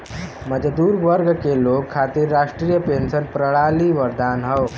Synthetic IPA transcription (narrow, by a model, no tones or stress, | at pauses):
məd͡zəd̪uːɾʋəɾɡkelokkʰːat̪iːɾːaʂʈɾiːjəpensənpɾəɭaliːʋəɾd̪anɦəw